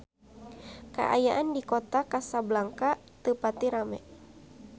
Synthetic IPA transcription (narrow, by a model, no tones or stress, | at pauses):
ka̰ʔa̰jaʔandikɔt̪akasablaŋka | t̪əpat̪iɾamɛ